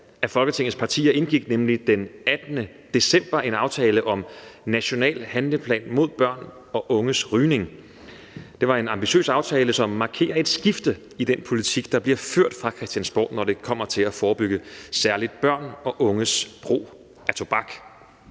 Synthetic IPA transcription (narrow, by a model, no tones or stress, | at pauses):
æfɒ̽lɡ̥ət͡sʰe̝ŋ̩ˠspʰɑ̈t͡sʰḭːɐe̝nɡ̥iɡ̥nemlid̥enæd̥nə | d̥e̝sem̰b̥ɐʔe̝nɑ̈ʊt͡sʰɛːləʔɒ̽mnæɕo̝nɛ̰ːlhænləpʰlɛ̰ːnmo̝ð̞̰ˠb̥ɶɐ̰n | ɒ̽ʔɔ̽ŋəsʁyːne̝ŋ | d̥e̝ʋɑ̈e̝nɑ̈mb̥iɕø̰ːsɑ̈ʊt͡sʰɛːləsɒ̽mːɑ̈ːkʰe̝̰ːɐe̝d̥sɡ̥ifd̥ə | id̥enpʰo̝lit͡sʰiɡ̥̚d̥ɑ̈b̥liɐføɐ̰d̥fʁɑ̈kʰʁɛsd̥jænsb̥ɒ̰ːd̥nɒde̝kʰɒ̽m̰ɐt͡sʰe̝læfɒːb̥yɡ̥əsæɐlid̥̚b̥ɶɐ̰nɒ̽ʔɔ̽ŋəsb̥ʁo̝̰ː | æt͡sʰo̝b̥ɑ̈ɡ̥